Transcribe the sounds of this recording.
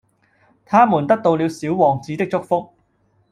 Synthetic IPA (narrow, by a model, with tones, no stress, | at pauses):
t̪ʰaː˥muː˨˩nt̪ɐ˥k̚t̪o˧wliː˨˧wsiː˨˥wwɔː˨˩ŋt͡siː˨˧t̪ɪ˥k̚t͡sʊ˥k̚fʊ˥k̚